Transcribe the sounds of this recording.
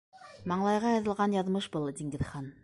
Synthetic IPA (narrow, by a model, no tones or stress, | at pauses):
mɑɴlˠɑjʁɑjɑðɤ̆lˠʁɑnjɑðmɤʃbɤlˠd̪ʲiŋɡɘ̆ðχɑn